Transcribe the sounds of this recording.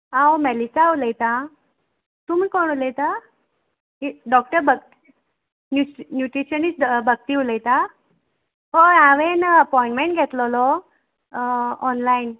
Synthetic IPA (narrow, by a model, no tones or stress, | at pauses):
ãwmɛlisaːwləjt̪a | t̪umiːkɔɳ̃uləjt̪a | iɖɔk̚ʈəɾbəɡ̪̚ | njunjuʈɾiɕənit͡sbəɡ̚t̪iuləjt̪a | ɔɾaʋenəpɔĩɳʈmeɳʈɡʱɛt̪lɔlɔ | ɔnlain